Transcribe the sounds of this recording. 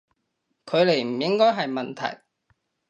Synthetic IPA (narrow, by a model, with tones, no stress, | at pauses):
kʰɵ˨˧ɥle˨˩jm̩˨˩jɪ˥ŋkɔː˥jɦɐ˨jmɐ˨nt̪ʰɐ̰˨˩j